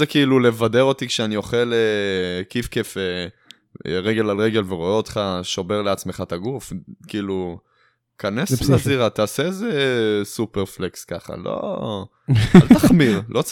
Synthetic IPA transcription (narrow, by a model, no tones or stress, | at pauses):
zekiilule̞vade̞ʁo̞t̪ikʃeanio̞χe̞lekifkefe | ʁeɡe̞lalʁeɡe̞lveʁo̞eo̞t̪χaʃo̞be̞ʁleat͡sme̞χat̪aɡufkiiːlu | kaneslaziʁat̪aːseezesupeʁflekskaχa̰lo̞̰ | a̰lt̪aχmiʁlʔo